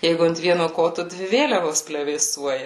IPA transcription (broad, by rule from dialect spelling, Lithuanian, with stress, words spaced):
ˈjɛɪɡʊ ɐnt ˈʋʲiɛnoː ˈkoːtʊ ˈdʲʋʲɪ ˈʋʲeːlʲɛʋoːs pʲlʲɛʋʲeːˈsuɔjɛ